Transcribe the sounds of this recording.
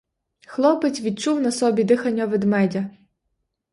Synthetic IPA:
xlˠɔpɪt͡sʲʋʲid̪̚t͡ʃuwnɐsɔbʲid̪ɪxɐnʲːɐʋɪd̪mɛdʲɐ

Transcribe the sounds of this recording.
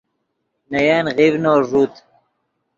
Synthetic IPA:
nɐjaːnɣivnoːʐuːt̪

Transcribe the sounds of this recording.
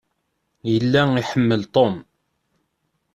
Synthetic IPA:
jəlːæiħəmːəlt̪ˤom

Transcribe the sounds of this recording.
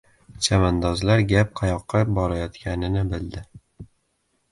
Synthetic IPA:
t͡ʃʰamand̪ɒzlaɾɡʲap̚qʰajɒqʰːɑbɒɾajɒt̪kʲanɪnɪbɪld̪ɪ

